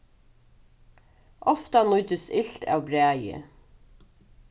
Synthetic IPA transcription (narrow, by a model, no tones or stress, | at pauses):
ʔɔft̪anʊʏt̪əsɪɬt̪a̰ːwbɾæːjə̰